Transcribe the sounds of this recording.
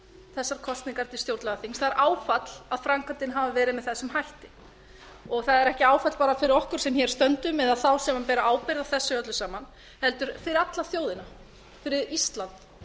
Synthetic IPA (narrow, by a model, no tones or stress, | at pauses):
θɛsːaɾ̥kʰɔst̪niŋkaɾt̪ʰɪlst̪jowɾt̪lɛɣaθiŋst̪θaðɛɾʔaːwfat̪l̥aðfɾaŋkant̪ɪnɦavavɛːɾɪðmɛðθɛsːʏmhajht̪ɪ | ɔɣθaðɛɾɛhcɪaːwfat̪l̥paːɾafɪɾɪɾɔhkʏɾ̥sɛmçɛɾ̥st̪œnt̪ʏmɛðaðθawsɛmapɛːɾaʔaːwpɪɾðaθɛsːʏœt̪lʏsaːman | hɛlt̪ʏɾ̥fɪɾɪɾat̪laθjoːwðɪna | fɪɾɪɾist̪lant̪